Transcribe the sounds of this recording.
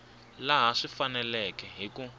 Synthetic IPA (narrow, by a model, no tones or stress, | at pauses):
laɦaʂifanɛlɛkɛɦiku